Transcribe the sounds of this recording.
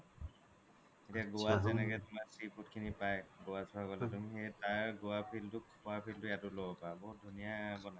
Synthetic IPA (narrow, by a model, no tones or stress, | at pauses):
etiaɡowazɛnɛkɛtʊmaɹsɹipʰutkʰinipajɡowasɔakɔltʊmɦetaɹɡowapʰiltʊkʰpɔapʰiltʊɛtʊlɔbɔpabɔdʱunijabɔna